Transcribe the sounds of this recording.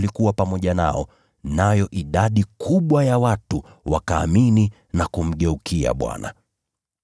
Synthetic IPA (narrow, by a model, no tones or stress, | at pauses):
likuwapamɔʄana̰ɔ | najɔʔiɗaɗikʰuɓwajawatu | wakaːmini | nakum̩ɠɛukʰia̰ɓwa̰na̰